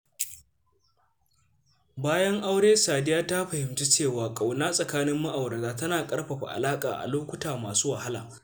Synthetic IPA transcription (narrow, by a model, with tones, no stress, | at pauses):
baː˦jɐ˦ŋʔa˦wɽeː˦saː˨dɪ˦jaː˦ta˦ɸɐ˨hɪ˨mt͡ʃe˦t͡ʃeː˦˨waː˨kʼa˨wna˦sʼɐ˨kaː˦nɪ˦mːa˦ʔa˨wɽɐ˨taː˦tɐ˦naː˨kʼɐ˦ɽɸɐ˨ɸa̰˨ʔa̰˨laː˦kʼa̰ː˨ʔa̰˨loː˦kʷʊ˦taː˨maː˨suː˦wa˨ha˦la̰ː˨